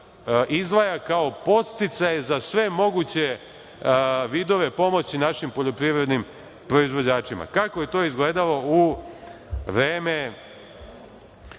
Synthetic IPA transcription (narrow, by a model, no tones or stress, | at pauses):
izd̪ʋajakao̞po̞t̪st̪it̪sajezasʋe̞mo̞ɡut͡ɕe̞ | ʋid̪o̞ʋe̞po̞mo̞t͡ɕinaʃimpo̞ʎo̞pɾiʋɾe̞d̪nim | pɾo̞izʋo̞d͡ʑaːt͡ʃima̰kakoje̞t̪o̞ːizɡle̞ːd̪alo̞u | ʋɾeːme